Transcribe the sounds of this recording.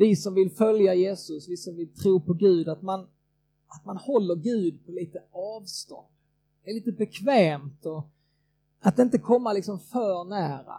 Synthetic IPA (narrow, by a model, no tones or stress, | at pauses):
vɪsɔmvɪlfœljajeːsɵsvɪsɔmvɪlt̪ʰɾuːpʰɔɡʉ̟ːd̪at̪man | at̪manhɔlːəɾɡʉ̟ːd̪̚pʰɔliːt̪əɑːvst̪ɔ̰nd̪̥ | ɛɭiːt̪əbɛkʰvɛːmt̪ɔ | at̪̚ːɪnt̪əkʰɔmːalɪksɔmfœːɳæːɾa̰